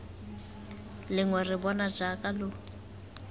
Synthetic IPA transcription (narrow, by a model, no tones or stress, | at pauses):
lɪŋwɛrɪbɔnad͡ʒakʼalʊ